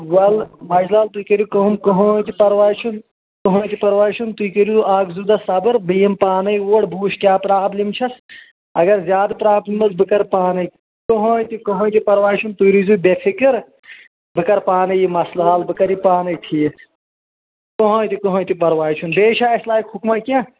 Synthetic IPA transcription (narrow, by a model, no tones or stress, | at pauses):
wɐlmɐd͡ʒlaːlt̪uikɐɾjukɐɦumkɐɦoːjt̪ipɐɾʋaːjt͡ʃʰun | kɐɦõːjt̪ipɐɾʋaːjt͡ʃʰunt̪uikɐɾizuʔaːɡzud̪ɐsɐbɨɾbɨjimpaːnɐjoːɽbʱuːʃkʲjaːpɾaːblimt͡ʃʰɐs | ɐɡɐɾzjaːd̪pɾaːblimɐsbɨkɐɾpaːnɐj | kɐɦoːt̪ikɐɦõːjt̪ipɐɾʋaːjt͡ʃʰunt̪uɾizubefʰikɨɾ | bɨkɐɾpaːnɐjimɐslaːlbɨkɐɾipaːnɐjt̪ʰi | koɦõːjt̪ikɐɦõːjt̪ipɐɾʋaːjt͡ʃʰunbeːʃaːɐslaːikhukmɐkẽ